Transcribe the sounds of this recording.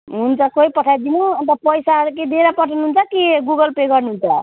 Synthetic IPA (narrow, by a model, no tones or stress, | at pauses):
ɦunt͡sʰʌkoipʌʈʰajd̪inuʌnt̪ʌpʌjsaɦʌɾuked̪eɾapʌʈʰanuɦunt͡sʰʌkeɡuɡʌlpeɡʌrnuɦunt͡sʰʌ